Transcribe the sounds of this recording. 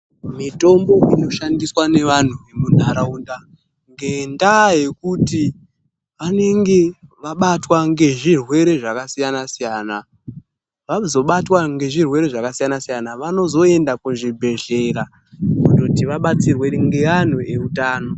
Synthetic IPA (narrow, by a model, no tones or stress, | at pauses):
mito̞mbo̞ino̞ʃandiswane̞ʋan̤ue̞munaɾaunda | ŋɡe̞ndaːje̞kuti | ʋane̞ŋɡe̞ʋaɓatwaŋɡe̞ʐirwe̞ɾe̞ʐakasijanasijaːna | ʋazo̞ɓatwaŋɡe̞ʐirwe̞ɾe̞ʐakasijanasijanaʋano̞zo̞e̞ndakuʐibʱe̞ɮe̞ɾa | undotiʋaɓat͡sirwe̞ŋɡe̞an̤uʔe̞utaːno̞